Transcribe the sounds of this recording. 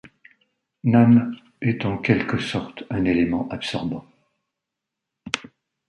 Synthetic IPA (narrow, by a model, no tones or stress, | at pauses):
nam | ɛt̪ɑ̃kʲɛlkəsɔʁt̪ɛ̃nelemɑ̃ʔapsɔʁbɑ̃